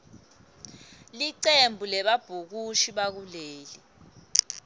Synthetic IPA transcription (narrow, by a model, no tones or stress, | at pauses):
liǀembʱulɛɓab̥ʱuk̬uʃiɓak̬uleːli